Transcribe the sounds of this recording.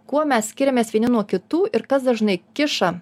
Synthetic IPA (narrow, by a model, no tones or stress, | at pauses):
kuɔmʲɛssʲkʲɪɾʲɛmʲeːsʋʲiɛnʲɪnuɔkʲɪt̪uːʔɪɾkɐsd̪ɐʒnɐɪkʲɪʃɐ